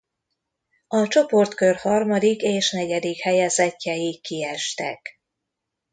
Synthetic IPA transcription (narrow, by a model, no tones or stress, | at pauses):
ɒt͡ʃo̞po̞rt̪kørhɒrmɒd̪ikeːʃnɛɟɛd̪ikhɛjɛzɛcːɛjikːiɛʃt̪ɛ̰k